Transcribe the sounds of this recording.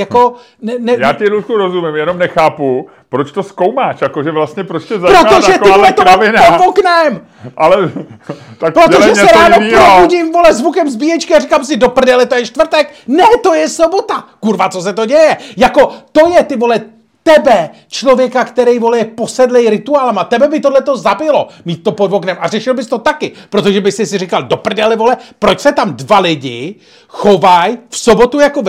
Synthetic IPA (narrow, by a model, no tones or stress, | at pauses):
jako̞ | nɛnɛjaːtɪɾuʃkuɾozumɪmjɛnomnɛxaːpu | pɾot͡ʃt̪oskowmaːʃjakoʒɛvlast̪ɲɛpɾot͡ʃt̪ɛzapɾoat̪oʒɛt̪ɪolɛt̪oovɪnaopoknɛm | ʔalɛ | t̪akpɾooʒɛssɛɾaːnoipɾobuɟimvolɛzvukɛmzbijɛt͡ʃkɪarikamsɪdo̞pr̩nɛlɛt̪ojɛʃt̪vr̩t̪ɛknɛt̪o̞jɛsobot̪akuɾvat͡sos̬ɛt̪o̞ɟɛjɛjako̞t̪o̞jɛt̪ɪvo̞lɛ | t̪ɛbɛ | t͡ʃlovjɛkakt̪ɛɾɛjvo̞lɛjɛpo̞sɛdlɛjɾɪt̪uaːlamat̪ɛbɛbɪt̪odlɛt̪o̞zabɪlo̞miːt̪̚t̪ːo̞podvoknɛmʔar̝ɛʃɪlbɪst̪o̞t̪akɪpɾot̪oʒɛbɪsɪsɪrɪkaldopr̩dɛlɛvo̞lɛpɾot͡ʃsɛt̪amdvalɪɟɪ | xovajfsobo̞t̪ujakov